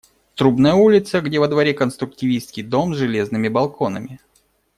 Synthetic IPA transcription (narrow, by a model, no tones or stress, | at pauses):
t̪ɾubnəjəulʲɪt̪səɡdʲevəd̪vɐɾʲekənst̪ɾʊk̚tʲɪvʲijst̪kʲɪjd̪o̞mzʐɨlʲe̞znɨmʲɪbɐlˠko̞nəmʲɪ